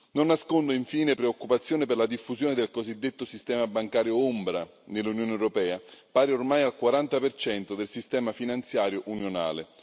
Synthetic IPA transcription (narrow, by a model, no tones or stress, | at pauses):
nonːaskond̪ʊiɱfiːnepɾeokːupat̪sːjoːnepɪrlad̪ifːuzjoːned̪elkozid̪ːet̪ːosist̪ɛːmabaŋkaːɾjoombɾa | nelːunjoːneɛwɾopɛːapaːɾeormajalkwaɾant̪apert͡ʃɛnt̪od̪elsist̪ɛːmafinant̪sjaːɾjoʔunjona̰ːle